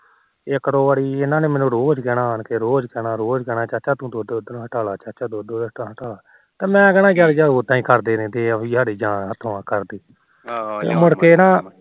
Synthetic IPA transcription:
ekɾoːʋaɽiːɪnãːneːmɛ̃ːnũːɾoːd͡ʒkɛːɽaːɦənkeɾoːd͡ʒkɛːnaːɾoːd͡ʒkɛːɽaːt͡ʃaːt͡ʃaːt̪ũːd̪oːd̪oːd̪ɦəʈaːlaːt͡ʃaːt͡ʃaːd̪oːd̪oːd̪əʈãːɦəʈaːlaː | t̪aːmɛ̃ːɡənãːɡjaːɾd͡ʒaːoːt̪ãːĩːkəɾd̪eːnẽːt̪eːəbĩːsaːɽiːd͡ʒãːnɦət̪ʰːõːãːkəɾd̪iː | ḛmʊɽkeːnãː

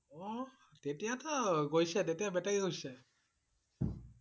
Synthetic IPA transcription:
ɔ | tetijatɔɡojsɛtetijabɛtaiɡojsɛ

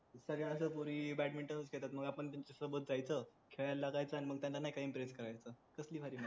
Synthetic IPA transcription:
səɡɭjãəsəpuɾiːbɛʈmiɳʈənəskʰeɭt̪at̪məɡapəɳt̪jaɲt͡ɕesəbət̪̚d͡zajt͡səːkʰeɭjalːaɡajt͡səaniməɡ̚t̪janlanːajkaimpɾeskəɾajt͡səːkəsliːfʰaɾiːma

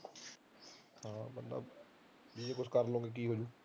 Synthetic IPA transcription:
ɦãːbənd̪a̰ː | biekʊskəɾlõːɡek̬iːɦoːd͡ʒuː

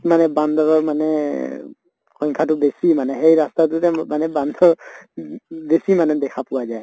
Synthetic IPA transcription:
manɛbandʱɔɹɔɹmanɛ | xɔŋkʰatʊbesimanɛɦejɹastatʊtɛmanɛband̪ʱɔɹ | besimanɛdɛkʰapʊwazaj

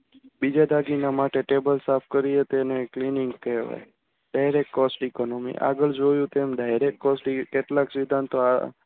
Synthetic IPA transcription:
bid͡ʒad̪ʱaɡinamaʈeʈebəlsapʰkəɾiet̪eneklinɪŋɡkeʋa̰j | ɖajɾek̚ʈkɔsʈikɔnɔmḭʔa̰ɡəɭd͡ʒojũt̪emɖajɾek̚ʈ̚kɔsʈikeʈlaksid̪ʱant̪oa

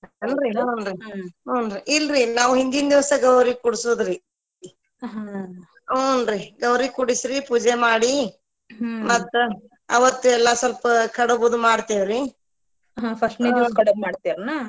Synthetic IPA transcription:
ɐnɾiɦonɾioːnɾiʔilɾinaːʋuɦind̪ind̪iʋɐsɐɡɐwɾikuɽsoːd̪ɾi | ɦa | onɾiɡɐwɾikuɽisɾipuːd͡ʒemaːɽi | mɐt̪ːu | ɐʋɐt̪ːuɛlːɐsʋɐlpɐkʰɐɽobod̪umaːɽt̪iʋɾi | ɦãpʰɐsʈneikɐɽɐmaːɖt̪iɾnaː

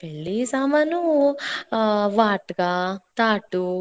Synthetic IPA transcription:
peɭːisamɐnu | ʋaːʈɡat̪aːʈu

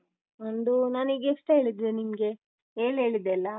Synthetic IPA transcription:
ond̪unaːniɡeeʂʈeɦeːɭid̪enimɡe̞ | ɦeːɭɦe̞ːɭid̪eɐlːɐ

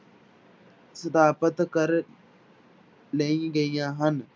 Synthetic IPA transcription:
səd̪aːpət̪kɐɾ | leɡejaɦɐn

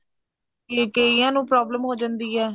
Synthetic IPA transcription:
keːkeːiːãːnũːpɾɔːbləmɦoːd͡ʒãnd̪iːɛː

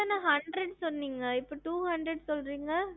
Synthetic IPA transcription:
ɐnɐɦɐɳɖɾɐɖsɔnːiːŋɡɐɪpːoʈuːhɐɳɖɾɛɽsɔlɾiːŋɡɐ

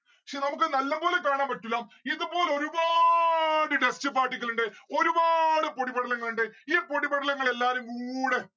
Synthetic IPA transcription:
kʂenɐmuk̬ːɨnɐlːɐbo̞ːlekaːɳaːmpɐʈːulːɐmind̪upo̞ːleoɾuba | ɽɨɖest͡ɕːɨpaːrʈːikʲːɐluɳɖɨo̞ɾubaːɽɨpoɽibɐɽɐlɐŋːɐɭuɳɖɨiːpo̞ɽipːɐɽɐlɐŋːɐɭe̞lːaːɾumkuɽe

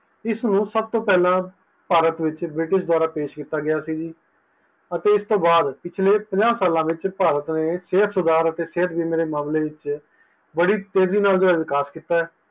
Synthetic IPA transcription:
ɪsnũːsəb̚t̪õːpɛːlãː | paːɾət̪ʋɪt͡ʃbɾɪʈɪʃd̪waːɾaːpeːʃkɪt̪ːaːɡɪjaːsiːd͡ʒiː | ət̪eːɪst̪õːbaːd̪pɪt͡ʃʰleːpəd͡ʒaːsaːlãːʋɪt͡ʃpaːɾət̪neːseːət̪sʊd̪aːɾət̪eːseːət̪biːnɾeːmaːmleːʋɪt͡ʃ | bəɽiːt̪eːziːnaːld͡ʒoʋɪkaːskɪt̪aːɛː

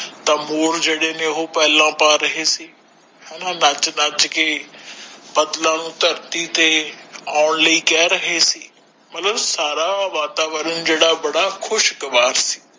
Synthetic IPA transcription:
t̪ãːmoːɾd͡ʒeːɽeːneːɦoːpɛːlãːpaːɾəɦeːsiː | hɛːnaːnat͡ʃnəd͡ʒkeː | bəd̪lãːnũːt̪əɾt̪iːt̪eːaːɳləiːkɛːɾəɦeːsiː | mət̪ləbsaːɾaːʋaːt̪aːʋəɾənd͡ʒeːɽaːbəɽaːkʰʊʃkəʋaːɾsi̥ː

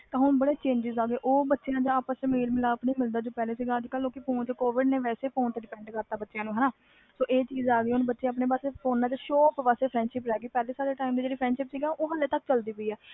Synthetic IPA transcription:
t̪ãːɦʊɳbəɽeːt͡ʃẽːɲd͡ʒɪzaːɡeːʔoːbətːʃejãːd͡ʒãːaːpəst͡ʃmeːlmɪlaːpniːmɪld̪aːd͡ʒõːpɛːleːsiːɡaːəd͡ʒkəlːoːkɪpʰoːnt͡ʃkoːʋɪɖneːʋɛːseːpʰoːnt̪eɖɪpɛ̃ːɳɖkəɾt̪aːbətːʃjãːnũːɦɛnaː | soːʔeːt͡ʃiːzaːɡiːɦʊnbətːʃẽːəpneːbaːsepʰoːnːãːt͡ʃʃoːpʋaːseːpʰɾɛ̃ːɳɖʃɪpɾɛːɡiːpɛːleːsaːɽeːʈaːimd̪id͡ʒeːɽiːpʰɾɛ̃ːɳɖʃɪpsiːɡɛʔoːɦəlːeːt̪ək̚t͡ʃəld̪iːpoiːɛː

